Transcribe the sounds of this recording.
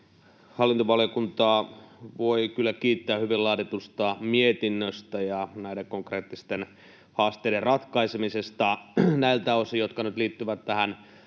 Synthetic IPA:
hɑlːint̪oʋɑljokunt̪ɑːʋoikylːækiːt̪ːæːhyʋilɑːt̪et̪ust̪ɑmiet̪inːøst̪æjɑnæideŋkoŋkreːt̪ːist̪en | hɑːst̪eiderrɑt̪kɑisemisest̪ɑnæilt̪æosijot̪kɑnyt̪liːt̪ːyʋæt̪tæhæn

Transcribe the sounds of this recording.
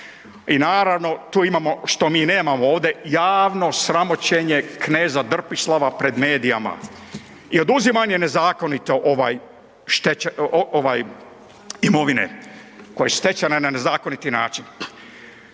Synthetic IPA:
inaːɾaʋno̞t̪uːimamo̞ʃt̪o̞miːne̞ːmamooːʋd̪e̞jaːʋno̞sɾamo̞t͡ɕeɲe̞kne̞ːzad̪r̩pislaʋapɾe̞d̪meːd̪ija̰ma̰ | io̞d̪uzimaɲene̞zaːko̞nit̪o̞ʔoʋaj | ʃt̪eoʋaj | imo̞ʋinḛ | ko̞jesu̥ʃt̪e̞t͡ɕanenane̞zaːko̞nit̪inaːt͡ʃin

